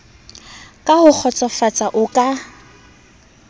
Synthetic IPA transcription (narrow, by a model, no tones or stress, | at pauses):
kʼahʊk͡xʰɔt͡sʼɔfat͡sʼaʔʊkʼa